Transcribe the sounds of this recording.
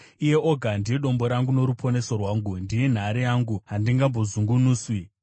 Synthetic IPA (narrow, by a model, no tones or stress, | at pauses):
ije̞ʔoɡʱandieɗo̞mbo̞ɾaŋɡuno̞ɾupʰo̞ne̞so̞rwaːŋɡundije̞n̤aɾijaːŋɡuɦandiŋɡambo̞zuŋɡunuːswi